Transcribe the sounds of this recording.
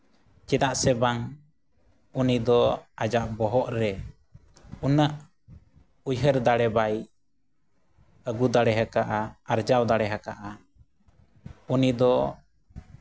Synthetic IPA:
t͡ʃɛd̪aʔsɛbaŋ | unid̪ɔad͡ʒaʔbɔɦɔʔɾɛ | unəʔ | ujɦəɾd̪aɽɛbaj | əɡud̪aɽɛɦəkaʔaaɾd͡ʒawd̪aɽɛɦəkaʔa | unid̪ɔ

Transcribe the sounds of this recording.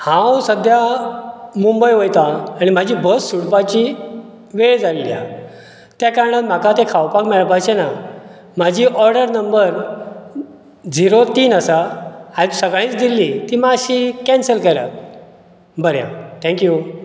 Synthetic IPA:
hãwsəd̪ʱja | mumbəjʋojt̪ãːɽ̃im̤ad͡ʑʱibəsːuɽpat͡ɕi | ʋeɭd͡zallːia | t̪jakaɾɳəm̤akat̪ekʰawpakmɛɭpajt͡ɕena | m̤ad͡ʑʱiːʔɔɾɖəɾnəmbəɾ | d͡ziɾot̪iːnəsaajt̪usəɡɭ̃ĩt͡sd̪ilːit̪iːmaɕikɛ̃nsəlkəɾa̰t̪̚ | bəɾjã̰t̪ʰɛ̃ŋkju

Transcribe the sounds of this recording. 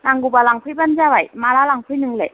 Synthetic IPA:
naŋɡubalaŋpʰɯjbanzabajmaɾalaŋpʰɯjnɯŋlej

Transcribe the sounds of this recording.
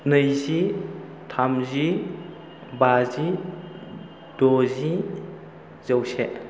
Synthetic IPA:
nɯjzi | tʰamzi | bazi | d̥ɔzi | zəwse

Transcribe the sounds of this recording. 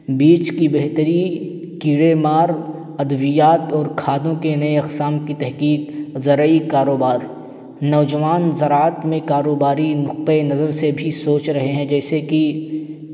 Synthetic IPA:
biːt͡ʃkibeɦt̪əɾi | kiːɽemaːɾ | ɐd̪ʋijaːt̪ɔːɾkʰaːd̪õkenɐeɐqsaːmkit̪ɛɦkiːqzɐɾikaːɾoːbaːɾ | nɔːd͡ʒɐʋaːnzɐɾaːət̪mẽkaːɾoːbaːɾinʊq̚t̪enɐzəɾsebʱisoːt͡ʃɾɐɦeɦɛ̃d͡ʒɛːseki

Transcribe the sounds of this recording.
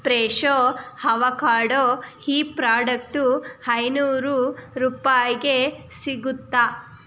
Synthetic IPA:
pɾeːʃohɐʋɐkaːɽoːhiːpɾaːɖɐk̚ʈuhɐjnuːɾuɾuːpaːjiɡesiɡut̪ːa

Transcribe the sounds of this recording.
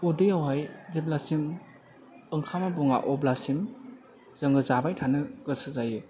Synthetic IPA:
udɯjawajzep̚lasim | ɯŋkʰamabuŋa̰ʔɔblasim | z̥əŋɡɯzabajtʰanɯɡ̥ɯsɯzajɯ

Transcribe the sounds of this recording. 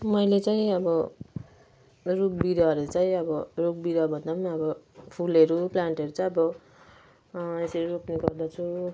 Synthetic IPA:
mʌjlet͡saĩʌbʌ | rukbiɾʌʌɾet͡saĩʌbʌrok̚biɾʌbʱʌnd̪apʌniʌbʌpʰulʌɾuplaɳʈʌɾut͡saj̃ʌbʌ | esʌɾuɾokneɡʌrd̪at͡sʰu

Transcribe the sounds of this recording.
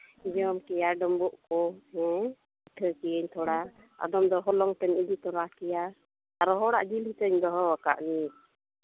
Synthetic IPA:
d͡ʒɔmkɛjaɖɔmbɔʔkɔɛ | iʈʰəkɛjəɲt̪ʰɔɽa | a̰d̪ɔmd̪ɔɦɔlɔŋt̪ɛnid͡ʒit̪ɔɾakɛja | aɾɔɦɔɽa̰ʔd͡ʒilhit̪əɲd̪ɔɦɔwaka̰ʔni

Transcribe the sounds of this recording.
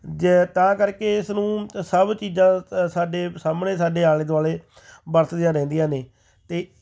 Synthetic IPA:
d͡ʒt̪ãːkəɾkeːɪsnũːsəbt͡ʃiːzãːsaːɖeːsaːmnẽːsaːɖeːaːleːd̪aːleː | bəɾt̪d̪ijãːɾɛ̃ːnd̪ijãːneː | t̪eː

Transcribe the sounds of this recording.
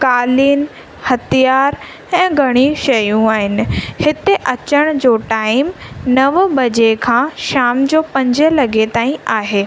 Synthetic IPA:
kaːliːn | hɐt̪ʰijaːɾ | ɛ̃ːɡʱɐɽ̃iʃɐjũaːɦɪnɪ̆hɪt̪eʔɐt͡ɕəɽ̃d͡ʑoːʈaːɪmnɐʋbɐd͡ʑekʰãːʃaːmd͡ʑoːpɐ̃ɲd͡ʑɪ̆lɐɡet̪aːĩaːɦeː

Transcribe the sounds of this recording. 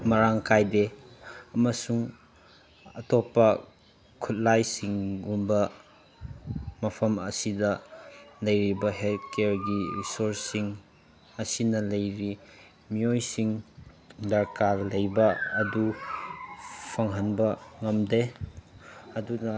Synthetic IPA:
mɐɾaŋkajdeɐmɐsuŋ | ɐtopːɐ | kʰut̚lajsiŋumbɐ | mɐpʰɐmɐsidɐlɐjɾibɐɦelt̚keɾɡiɾisoɾsiŋ | ɐsinɐlɐjɾi | miojsiŋ | dɐɾkalɐjbɐɐdu | pʰɐŋɦɐnbɐŋɐmde | ɐdunɐ

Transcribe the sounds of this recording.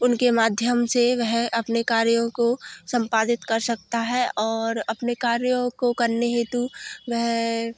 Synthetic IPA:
ʊnkemaːd̪ʱjəmseʋɛɦɐpnekaːɾjõkosɐ̃mpaːd̪ɪt̪kɐɾsɐk̚t̪aɦɛɔːɾɐpnekaːɾjõkokɐɾneɦeːt̪uʋɛɦ

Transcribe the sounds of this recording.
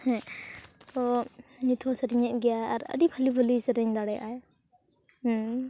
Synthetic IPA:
hɛ̃t̪ɔnit̪ʰɔsɾiɲɛʔ̪̚ɡɛjaːɾə̰ɖipʰalibʱəlisɾɛɲd̪aɽɛjʔaj

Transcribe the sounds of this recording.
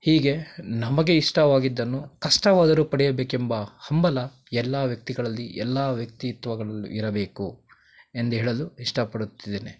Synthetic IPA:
hiːɡe̞nɐmɐɡe̞iʂʈɐʋaːɡid̪ːɐnːukɐʂʈɐʋaːd̪ɐɾupɐɽɛjɐbeːkembɐhɐmbɐlɐ | ɛlːaːʋjɐk̚t̪iɡɐɭɐlːiʔɛlːaːʋjɐk̚t̪iːt̪ʋɐɡɐɭɐlːṵʔiɾɐbe̞ːku | e̞nd̪uɦeːɭɐluiʂʈɐpɐɽut̪ːid̪eːne

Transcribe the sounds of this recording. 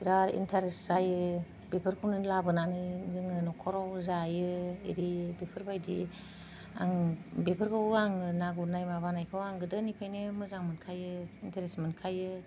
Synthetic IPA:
ɾaɾḭntʰaɾesz̥ajɯ | bepʰɯɾkʰɯwnɯlabɯnanɯzɯŋɯnɔkʰɔɾawzajɯḛɾibepʰɯɾbajdi | a̰ŋbepʰɯɾkʰawaŋɯnaɡunajmaβanajkʰɯwaŋɡɯdɯnipʰajnɯmɯzaŋmɯnkʰajɯintʰaɾesmɯnkʰajɯ

